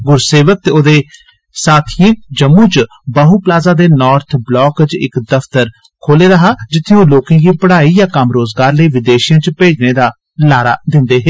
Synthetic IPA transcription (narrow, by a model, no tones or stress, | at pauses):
ɡʊɾseːʋək̚t̪eoːd̪eː | saːt̪ʰiẽːd͡ʒəmːũːt͡ʃ | bəɦuːplaːzaːd̪eːnɔːɾt̪ʰblɔːkt͡ʃɪ̰kd̪əft̪əɾ | kʰoːleːɾəɦaːd͡ʒɪt̪ʰːejõːloːkãːkiːpəɽaːiːjaːkəmɾoːzɡaːɾləiːʋɪd̪eːʃɪjãːt͡ʃpeːd͡ʒneːd̪aː | laːɾa̰ːd̪ɪnd̪eːɦeː